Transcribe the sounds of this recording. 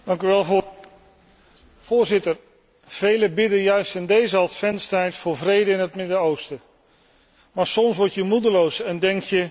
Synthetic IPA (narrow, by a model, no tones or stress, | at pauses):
d̥ɑŋkyʋɛlˠ | v̥ʊːɹzɪtər | v̥ejləbɪdəjœɥstɪndejzəɑtfɛnstɛjtfʊːɹvrejdəɪnɦətmɪdəowstə | maːɹsɔmsʋɔɹtjəmudəlowsɛndɛŋkjə